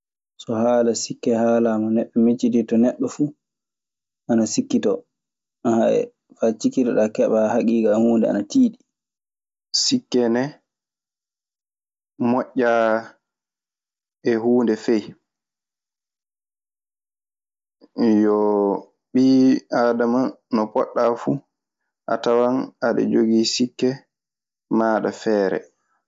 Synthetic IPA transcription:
sɔhaːlasikːɛhaːlamɔnɛɓːɛmit͡ʃiɗitɔnɛɗːɔfu | ʔanasikːitɔ | haɛ̰ | fat͡ʃikːitɔɗakɛɓahakiːɡahuːndɛa̰natiːɗi | sikːɛnɛ | mɔʔːa | ɛhuːndɛfej | jɔ | ɓiːadama | nɔpɔɗːafu | ʔatawanaɗɛ̰d͡ʒoɡiːsikːɛ | maːɗafɛːɾɛ̰

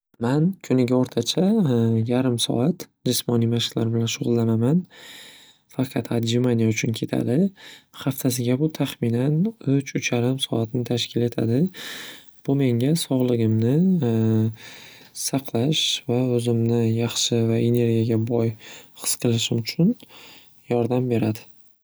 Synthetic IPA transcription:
mankʰʊnɪɡʲaɒɾt̪ʰat͡ʃʰajaɾɪmsɒ̰at̪d͡ʒɪsmɒnijmaʃɪqla̰ɾbɪlanʃʊʁʊlˠːanaman | fɑqʰɑt̪ʰad̪d͡ʒɪmanijaʊt͡ʃʰʊnkʲʰe̞t̪ʰa̰d̪ɪχaft̪ʰasɪɡʲabʊt̪ʰaχmɪnanʊt͡ʃʰʊt͡ʃjaɾɪmsɒ̰at̪nɪt̪ʰaʃkʲʰɪle̞t̪ʰa̰d̪ɪ | b̥ʊme̞ŋɡʲasɒʁlˠɪɡʲɪmnɪ | sɑqʰlˠaʃvaɵzɪmnɪjɑχʃɪvaʔe̞ne̞ɾɡʲijaɡʲabɒjχɨ̥sqʰɨlɪʃɪmʊt͡ʃʰʊn | jɒɾd̪ambe̞ɾad̪ɪ

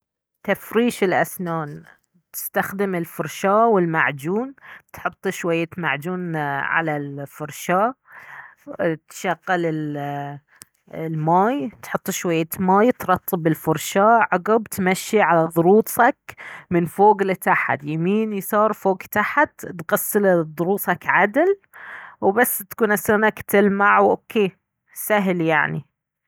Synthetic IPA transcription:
t̪afɾiːʃɪlʔa̰snaːn | t̪ɪ̥st̪axd̪ɪmɪlfʊɾˤʃaːwɪlmaʕd͡ʒuːnt̪ħʊt̪ˤːʃwajːama̰ʕd͡ʒuːnʕa̰lalfʊɾˤʃaːʔ | t̪ʃaɣːalɪl | lmaːjt̪ħʊt̪ˤːʃwajːamaːjt̪ɾˤɑt̪ˤʰːɨbɪlfʊɾˤʃaːʔʕɑɡɑbt̪maʃːiʕalaðˤʊɾuːt̪ˤɑkmɪnfoːɡlɪt̪aħa̰t̪jamiːnjsˤɑːɾˤfoːɡt̪aħt̪t̪ɣɑsːɨld̪ˤʊɾuːt̪ˤɑkʕad̪l | wbasːt̪kuːnʔasanakt̪ɪlmaʕwʔokʰːeː | saɦlja̰ʕni

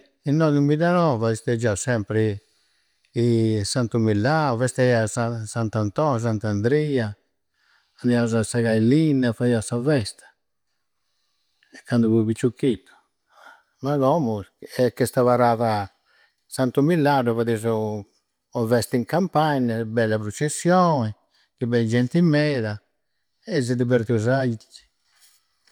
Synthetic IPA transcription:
inːɔðimiðanɔvaðist̪ed͡ʒawsɛmpɾi | sant̪umilːavɛst̪ɛiasasant̪ant̪ɔs̬ant̪and̪ɾia | and̪iazasaɡajlinafaiasavɛst̪ḁ | ɛkːand̪uvuβit͡ʃːukːit̪u̥ | maɡɔmuɛkːɛst̪aβaɾaða | sant̪umilːaduvad̪izu | ɔvɛst̪iŋkampaɲabɛlːapɾut͡ʃesjɔe | kibɛd͡ʒɛnt̪imɛd̪a | ɛzid̪ibɛɾt̪iuzait͡ʃi̥

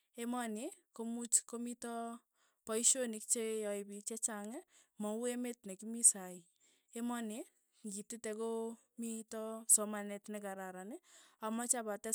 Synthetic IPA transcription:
emanikomut͡ʃkomitɔ | pɔjʃonik̚t͡ʃejɔjbit͡ʃɛt͡ʃaŋɛmɔuemetnekimisai | emɔni | ɡititɛko | mitɔsɔmanetnɛkaɾaɾanɪamɔt͡ʃabatɛ

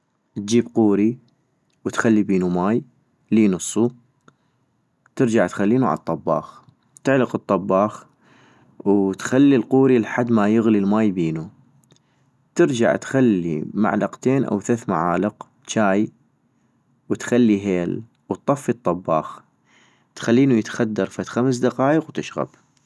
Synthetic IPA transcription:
t̪̚d͡ʒiːbquːɾi | wt̪xalːibiːnumaːj | liːnɨsˤːu | t̪ɪɾd͡ʒaʕt̪xalːiːnuʕa̰t̪ˤːɑbːɑ̰ːx | t̪ɪʕləqɨt̪ˤːɑbːɑːx | wt̪xalːilquːɾilħad̪ːmajɪɣlilmaːjbiːnu | t̪ɪɾd͡ʒa̰ʕt̪xalːḭma̰ʕlɑqt̪eːnʔa̰wθaθmaʕaːləq | t͡ʃaːj | wt̪xalːiɦeːl | wt̪ˤːɑfːit̪ˤːɑbːɑːx | t̪xalːiːnujət̪xad̪ːɑɾˤfat̪xams̬d̪ɑqɑːjəqwt̪ɪʃɣa̰b

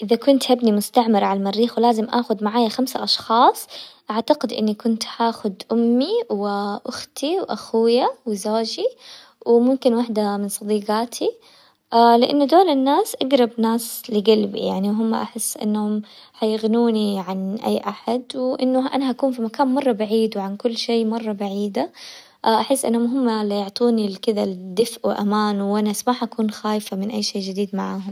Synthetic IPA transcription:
ʔɪðakʊnt̪habnimʊst̪aʕmɪɾʕalmarːiːxwlaːzɪmʔa̰ːxʊd̪maʕaːjaxamsa̰ʔɑʃxɑːsˤʔaʕt̪aɡɪd̪ʔɪ̰nːikʊnt̪haːxʊd̪ʔʊmːiwʔʊxt̪iwʔaxuːjawɪzoːd͡ʒi | wmʊmkɪnwaħd̪amɪnsˤɑd̪iːɡaːt̪ʰi | ʔalɪʔa̰nːʊd̪oːlɪnːaːsʔaɡɾˤɑbnaːslɪɡalbḭja̰ʕniwɦʊmːa̰ʔaħɪsːʔɪ̰nːhʊmħajɪɣnuːniʕanʔa̰jːʔaħad̪wɪʔɪnːʊʔa̰naʔakuːnfimakaːnmɑrˤːɑbaʕiːd̪wɪʕankʊlːʃeːmɑrˤːɑbaʕiːd̪a | ʔaʔaħɪsːʔɪ̰nːhʊmɦʊmːalɪjʊʕt̪ˤuːnilkɪd̪ald̪ɪfʔuʔa̰maːnwʔanasmaːħʔakuːnxaːjfamɪnʔajːʃeːd͡ʒɪd̪iːd̪maʕaːɦʊm

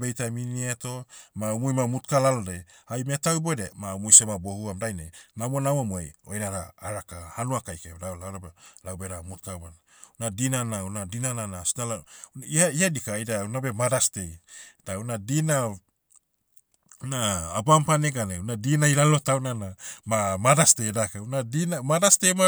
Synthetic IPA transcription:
bejtaminieto̞maumujmamutkalalodeajmetawibodemaumujsemabohuamdajnenamonawamoeojnaɾaːɾakahanuakajkedalawɾabelawbeɾamutkawmana | nadinanaunadinananasinalaiaiadikajdaunabe̞madasted̥aunadina | naːbampaneɡaneunadinaiɾalo̞tawnanamamadastedakaunadinamadastema

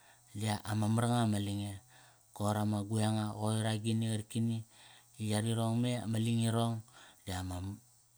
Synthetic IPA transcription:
diaʔamamɾaŋamaliŋe | koɾamaɡuaŋaɣoiɾaɡiniaɾikini | ijaɾiɾoŋmea̰maliŋiɾoŋdiamam

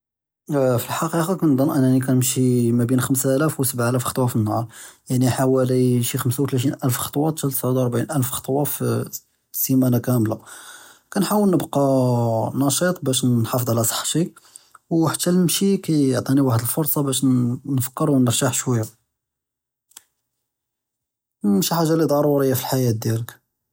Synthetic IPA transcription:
filħɑqiqɑkænd̪ɑnʔænænik̬ænəmʃimæbinxəmsælæfwsəbʕælæfxɑt̪ˤwɑfənːhɑɾˤjaʕniħawæliʃixəmsawt̪læt̪̬inʔælfxɑ̥t̪ˤwɑt̪t̪ælt̪sʕud̪ɾˤbʕinʔælfxɑ̥t̪ˤwɑf | simænakæmlakænħawəlnəbqɑnɑʃɑt̪ˤbæʃnħɑfəd̪ˤʕalæsˤɑ̥ħːʃi | wħat̪ːælmʃikæjoʕt̪ˤiniwaħəd̪əlfʊɾˤsˤɑbæʃnfə̥kːəɾuwnəɾʒaħʃwæjːa | mʃiħaʒːalid̪ˤɑɾˤuɾəjːafilħajæt̪̚d̪jælək

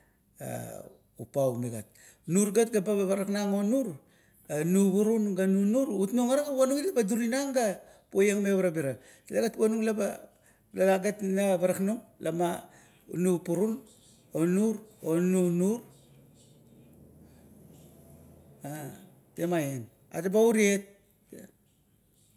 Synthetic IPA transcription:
a̰ | upawmeɡa̰t̚ | nuɾɡatɡabaβaβaɾaknaŋonuɾ | anuβuɾunɡanunuɾutnuŋaɾaɡawanuɡilabaduɾinaŋɡa | pojaŋmeβaɾabiɾa | teleɡatwanuɡlaba | lalaɡetnaβaɾaknuŋlama̰ | nupuɾun | onuɾonunuɾ | a | temajen | a̰tabauɾiet̚

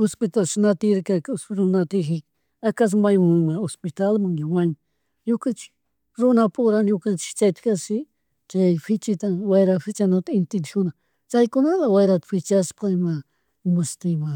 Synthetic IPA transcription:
ospɪt̪alʃnat̪ɪɾkakasɾʊnat̪ɪxɪk | akas̬majmamaospɪt̪almaŋjawaɲɪ | ɲʊkant͡ʃɪ̥k | ɾʊnapʊɾaɲʊkant͡ʃɪ̥t͡ʃajt̪kasɪ | t͡ʃajfɪt͡ʃɪt̪awajɾafɪt͡ʃanat̪aɪnt̪ɪnʃʊna | t͡ʃajkʊnalawajɾat̪ḁfɪt͡ʃaspaɪma | mʊst̪ɪma

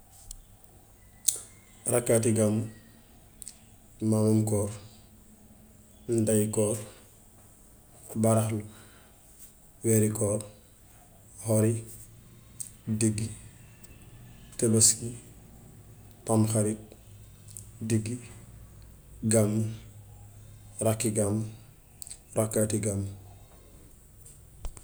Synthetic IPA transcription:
rakːatiɡamu | mamamkɔːɾ | dajkɔːɾ | baɾaxlu | weɾikɔːɾ | hoɾi | diɡi | tebaski | pamxaɾit̚ | diɡːi | ɡam | ɾakːiɡam | ɾakːatiɡam

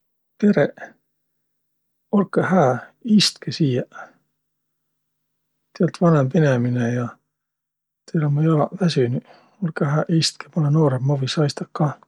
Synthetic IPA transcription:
pe̞ɾeʔ | olkːˑehæːist̪kesiːjɑ | t̪eælt̪vɑnempeneminejɑ | t̪elomɑjolɑvæsyny | olkːeɦæːʔist̪ke̥molenoːɾemmovisɑjst̪ɑkːɑ

